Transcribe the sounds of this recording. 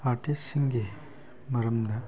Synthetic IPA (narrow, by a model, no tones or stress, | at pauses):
aːʈisiŋɡe | mɐɾɐmd̪ɐ